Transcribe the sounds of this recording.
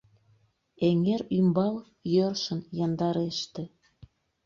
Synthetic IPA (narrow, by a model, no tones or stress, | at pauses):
eŋeɾymbɑl | jørʃənjɑnd̪ɑɾeʃt̪ĕ